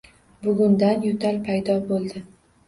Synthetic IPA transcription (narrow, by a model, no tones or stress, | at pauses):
bʊɡʲʊnd̪anjʊt̪ʰalpʰajd̪ɒbolˠd̪ɪ